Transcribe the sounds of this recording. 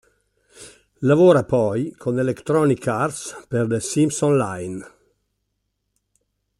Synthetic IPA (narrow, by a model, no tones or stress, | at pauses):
lavoɾapɔjkʰonelekt̪ɾɔnikarspeɾd̪esimsɔ̃nlajn